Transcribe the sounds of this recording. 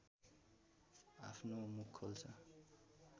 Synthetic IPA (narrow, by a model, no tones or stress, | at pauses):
apʰnomukʰːolt͡sʰʌ